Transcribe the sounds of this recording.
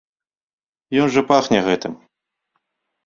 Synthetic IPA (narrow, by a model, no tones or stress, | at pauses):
jɔnʐɐpaxnʲɛɣɛt̪ɨm